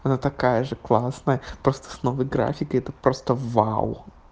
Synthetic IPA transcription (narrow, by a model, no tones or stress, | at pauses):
ɐnat̪ɐkajəʐɨklˠasnəjəpɾost̪ə̥snovəjɡɾa̰fʲɪkəɛt̪əpɾost̪əva̰w